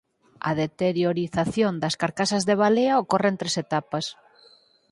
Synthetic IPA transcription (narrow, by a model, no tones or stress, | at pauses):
ɐ̰ðet̪eɾjoɾiθaθjond̪ɐskaɾkasazðeβ̞aleaokorent̪ɾeset̪apɐs